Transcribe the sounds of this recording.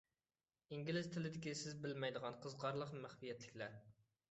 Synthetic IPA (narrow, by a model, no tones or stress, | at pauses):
iŋɡʲilɪz̥t̪ʰɪlɪd̪ɪkʲisɪzbɪlmɛjd̪əʁɑnqʰəzʁɑɾlˠəqmæχvijɛt̪lɪkʲlæ